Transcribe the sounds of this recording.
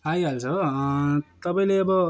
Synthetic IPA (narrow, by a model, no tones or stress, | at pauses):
ɦajalt͡sʰʌ | t̪ʌpaĩleʌbʌ